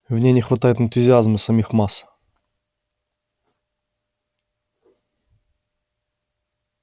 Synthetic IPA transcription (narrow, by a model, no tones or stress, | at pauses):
vnʲenʲɪxvɐt̪ajɪt̪ɨnt̪ʊzʲɪazməsɐmʲixmas